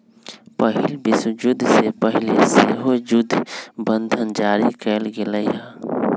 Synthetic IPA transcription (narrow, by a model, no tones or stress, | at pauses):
pəɦɪlbɪsd͡ʒʊd̪ʱːsepəɦɪleseɦod͡ʒʊd̪ʱbə̃nd̪ʱənd͡ʒaːɾikɛːlɡeləiɦɛ̃ː